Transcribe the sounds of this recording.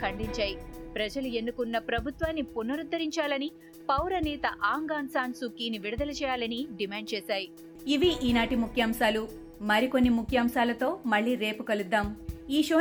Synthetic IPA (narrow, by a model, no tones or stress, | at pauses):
kʰɐɳɖiɲt͡ʃaːjipɾɐd͡ʒɐlue̞nːukunːɐpɾɐbʱut̪ʋaːnːipunːɐɾud̪ːɐɾiɲt͡ʃaːlɐni | pɐwɾɐnɛːt̪ɐʔaːŋɡaːnsaːnsukːiːniʋiɽɐd̪ɐlɐt͡ʃɛːjaːlɐniɖimaːɳɖ̚t͡ʃɛːsaːji | iʋiʔiːnaːʈimukʰjaːmsaːlu | mɐɾiko̞nːimukʰjaːmsaːlɐt̪o̞ːmɐɭːiːɾe̞ːpukɐlud̪ːaːmiːʃoː